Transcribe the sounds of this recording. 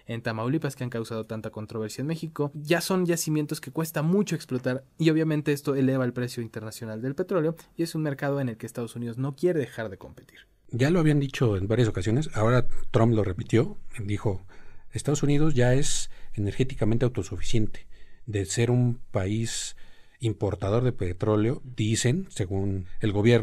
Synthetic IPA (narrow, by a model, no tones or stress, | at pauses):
e̞nt̪amawlipaskeaŋkawsað̞ot̪ant̪ako̞nt̪ɾoβe̞ɾsjaenmexiko̞ʝaso̞nʝasimje̞nt̪oske̞kwe̞st̪amut͡ʃoeksplo̞t̪aɾio̞β̞jamẽnt̪e̞est̪oe̞le̞βaelpɾe̞sjo̞int̪e̞ɾnasjo̞nald̪elpe̞t̪ɾo̞leo̞ie̞sunme̞ɾkað̞o̞e̞ne̞lke̞ːst̪að̞o̞sunið̞o̞zno̞kje̞ɾe̞ðe̞xaɾðe̞ko̞̰mpe̞t̪i̥ɾ | ɟ͡ʝaloaβiand̪it͡ʃo̞enbaɾjaso̞kasjo̞nesao̞ɾat̪ɾomplo̞re̞pit̪jo̞d̪ixo̞est̪aðo̞suniðo̞zʝae̞sene̞ɾxe̞t̪ikamẽnt̪e̞awt̪o̞sufi̥sje̞nt̪e̥d̪e̞se̞ɾumpais | impo̞ɾt̪að̞o̞ɾðepet̪ɾo̞leo̞d̪ise̞nse̞ɣune̞lɣo̞βje̞ɾ